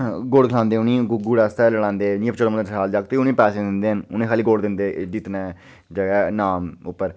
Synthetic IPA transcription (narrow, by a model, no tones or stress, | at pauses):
ɡoːɽkʰlãːnd̪eːʊnĩːɡɡuːɽaːst̪ɛːləɽãːnd̪eːnĩːəpt͡ʃəɾmə̃əaːld͡ʒaːkt̪eʊnẽːpɛːsẽːd̪ɪnd̪eːɦənʊnẽːkʰaːliːɡoːɽd̪ɪnd̪eːd͡ʒit̪nɛː | d͡ʒəɡɛːnaːmʊpːəɾ